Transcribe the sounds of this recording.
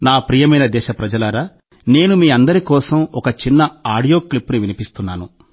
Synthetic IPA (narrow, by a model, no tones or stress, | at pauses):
naːpɾiːjɐmɐjnɐd̪ɛːʃɐpɾɐd͡ʒɐlaːɾaː | ne̞ːnumiːɐnd̪ɐɾikɔːsɐmɔkɐt͡ʃinːɐaːɽijo̞ːklipːuniʋinipist̪unːaːnu